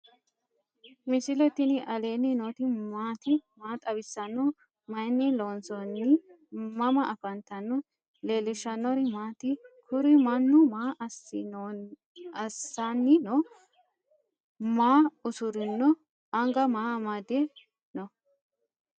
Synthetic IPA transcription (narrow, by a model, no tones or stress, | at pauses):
mɪsɪlɛt̪ɪnɪʔɐle̞ːnːɪnot̪ɪmaːt̪ɪmaːt̪ʼɐbɪsːɐnːɔ | mɐjnːɪloːnsɔnːɪ | mɐmɐʔɐfɐnt̪ɐnːɔ | leːlːɪʃɐnːɔɾɪmaːt̪ɪkʰʊɾɪmɐnːʊmaːʔɐs | ɐsanːɪnɔ | maːʊsʊɾɪnːɔ | ʔɐŋɡɐmaːmɐd̪e | nɔ